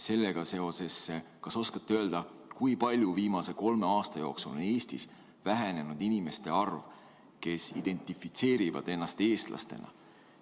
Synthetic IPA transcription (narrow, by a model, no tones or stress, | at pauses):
se̞lːeɡ̥ɑse̞o̞se̞sːekɑso̞skɑt̪ːeøːld̪̥ɑkujpɑlʲjuviːmɑse̞ko̞lme̞ɑːst̪ɑjo̞ːksṵle̞ːst̪ḭs | væɦene̞nud̪inime̞st̪e̞ɑrv | ke̞sḭd̪̥e̞nʲt̪ˑifit̪se̞ːɾivɑ̰d̪̥e̞nːɑst̪e̞ːst̪lʔɑ̰st̪e̞̰nɑ̰